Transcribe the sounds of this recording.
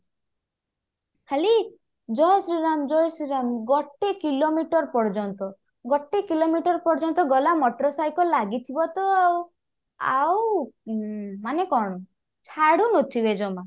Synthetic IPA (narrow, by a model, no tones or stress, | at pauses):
kʰali | d͡ʒɔjsɾiɾamd͡ʒɔjsɾiɾamɡɔʈːekilomiʈɔɾpɔɾd͡ʒɔnt̪ɔ | ɡɔʈekilomiʈɔɾpɔɾd͡ʒɔnt̪ɔɡɔlamɔʈɾɔsajkɔlaɡit̪ʰibɔt̪ɔaw | a̰w | manekɔɽ̃ɔ | t͡ʃʰaɽunot̪ʰibed͡ʒɔma